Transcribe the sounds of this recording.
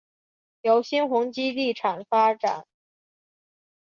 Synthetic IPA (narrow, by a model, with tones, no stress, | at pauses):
jo˧˥ʊɕi˥nxʊ˧˥ŋt͡ɕi˥li˥˩ʈ͡ʂʰa˨˩ŋfa˥ʈ͡ʂa̰˨˩˦n